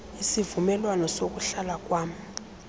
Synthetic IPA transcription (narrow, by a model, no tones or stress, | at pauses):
isivumɛlwanɔsok̬uɬalak̬ʼwaːmi